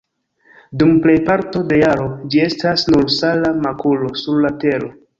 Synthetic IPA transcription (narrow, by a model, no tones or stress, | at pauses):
dumple̞jpaɾto̞de̞jaɾo̞d͡ʒie̞stasnuɾsalamakulo̞suɾlate̞ɾo̞